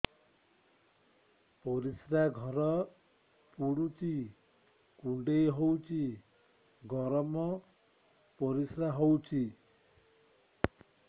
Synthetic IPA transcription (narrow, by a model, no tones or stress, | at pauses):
poɾisɾaɡʱʌɾʌ | puɽut͡si | kuɳɖejɦowt͡sʰi | ɡʱʌɾʌmʌ | poɾisɾaɦowt͡si